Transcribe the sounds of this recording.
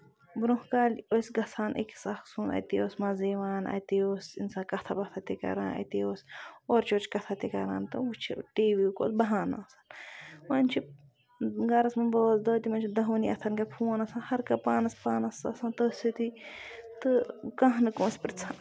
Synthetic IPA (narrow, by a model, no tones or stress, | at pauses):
bɾuhkaːlʲosʲɡɐsʰaːnʔḭksɐxsuːnɐ̰t̪ioːsmɐziʋaːnɐ̰t̪ioːsḭnsaːkɐt̪ʰɐbɐt̪ʰat̪ikɐ̰ɾa̰ːnɐ̰t̪ioːsʲoːɾt͡ʃʰoːt͡ʃʰkɐt̪ʰat̪ikɐɾa̰ːnt̪ɨ̰ut͡ʃʰiʈiːʋiko̰ːt̪bɐɦaːna̰ːsɐnmɐnʲt͡ʃʰi | ɡɐɾɐsmɐnbəːsd̪əːt̪imɐnt͡ʃʰid̪ɐɦniɐ̰t̪ʰɐnɡɐɾpʰuːnɐsaːnhɐɾkɐpaːnɐspaːnɐsɐ̰sãːnt̪əːsʲit̪it̪ɨkɐɦnɨkoːnsʲpiɾʲt͡sʰa